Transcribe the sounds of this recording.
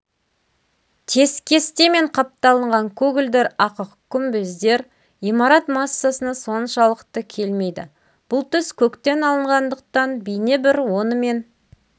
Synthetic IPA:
t̪ʰe̞skʲʰe̞st̪eme̞ɴqʰɑp̚t̪ɑlˠəɴʁɑŋkʲʰɵɡʲɪld̪e̞ɾɑqəqkʲʰːʏmbɪzd̪e̞ɾ | imɑɾɑt̪mɑsːasənɑso̞nʃɑlˠəqt̪əkʲʰe̞lme̞jd̪ɪ̰ | b̥ʊlˠt̪ʰʏskʲʰɵkt̪e̞nɑlˠəɴʁɑnd̪əq̚t̪ɑnbijnebɪɾwo̞nəme̞n

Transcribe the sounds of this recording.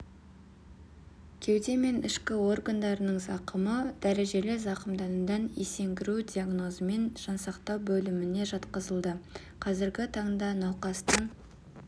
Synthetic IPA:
kʲʰe̞wd̪e̞me̞nɪʃkʲɪo̞rɡand̪ɑɾənəɴzɑqəməd̪̥æɾe̞ʒe̞lɪzɑqəmd̪ɑnəd̪ɑnese̞ŋɡʲɪɾud̪iaɡno̞zəme̞nʒ̥ɑnsɑqt̪ɑwbɵlɪmɪne̞ʒɑt̪qəzəlˠd̪ə | qʰɑzɪɾɡʲɪt̪ʰɑɴd̪ɑnɑwqɑst̪əɴ

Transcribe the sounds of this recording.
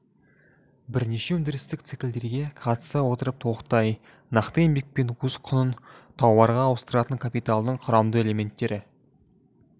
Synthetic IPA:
bɪɾne̞ʃe̞wɵnd̪ɪɾɪst̪ɪk̚t̪sikʲɪld̪e̞ɾɡʲe̞qʰɑt̪ə̥sɑwo̞t̪əɾəp̚t̪ʰoqt̪ɑj | nɑqt̪əembek̚pe̞nwɵzqʰʊnənt̪ʰɑwbɑɾʁɑːwəst̪əɾɑt̪əŋkʰapijt̪alˠd̪əɴqʰʊɾɑmd̪əe̞le̞me̞nt̪ːe̞ɾɪ

